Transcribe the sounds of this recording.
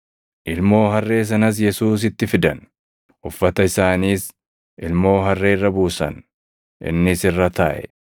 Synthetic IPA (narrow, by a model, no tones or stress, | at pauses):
ʔɪlmo̞ːɦɐrːe̞ːs̬ɐnɐs̬jɛsuːs̬ɪt̪ːɪfɪd̪ɐn | ʊfːɐt̪ɐɪsaːniːs | ʔɪlmo̞ːɦɐrːeːɪrːɐbuːsɐ̰n | ʔɪ̰nːɪsɪrːɐt̪a̰ːʔɛ̰